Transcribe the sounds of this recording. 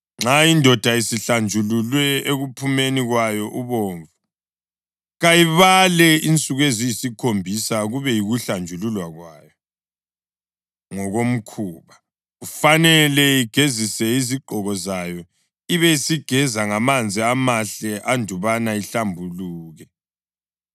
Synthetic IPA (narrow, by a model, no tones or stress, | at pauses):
ŋ͡ǁaindʱɔd̥ʱaisiɬand͡ʒʱululwɛeɣupʰumeniɣwajɔʔuβoɱvu | ɣajiβalɛint͡sʼuɣwezijisikʰombʱisaɣuβɛjiɣuɬand͡ʒʱululwaɣwajɔ | ŋɔɣom̩kʰuːβa | ɣufanɛlɛiɡ̥ʱezisɛiziɡ͡ǃʱɔɣɔzajɔ | iβɛisiɡ̥ʱɛzaŋamand͡zʱiamaɬɛʔandʱuβanaiɬambʱuluːɣɛ